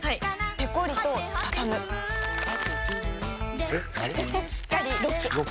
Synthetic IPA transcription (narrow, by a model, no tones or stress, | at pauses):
haipe̞koɾʲit̪o̞t̪ak̪amɯ̟ | ɕi̥kːaɾʲiɾok